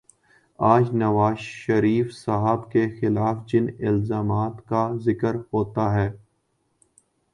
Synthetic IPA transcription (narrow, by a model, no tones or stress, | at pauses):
aːd͡ʒnɐʋaːzʃɐɾiːfsaɦəbkexɪlaːfd͡ʒɪnɪlzaːmaːt̪kazɪkəɾhoːt̪aɦɛː